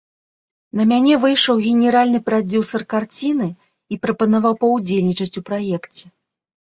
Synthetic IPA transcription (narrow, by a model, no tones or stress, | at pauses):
nɐmʲanʲɛvɨjʂɐwɣʲɛnʲɛɾalʲnɨpɾad͡zʲusɐrkart͡sʲinɨ | ipɾɐpɐnavawpɐwd͡zʲelʲnʲit͡ʂɐt͡sʲupɾajɛkt͡sʲɛ